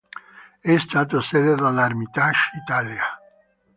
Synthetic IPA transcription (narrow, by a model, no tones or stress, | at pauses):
ɛst̪aːt̪̬osɛd̪ed̪alːarmit̪aʃit̪aːlja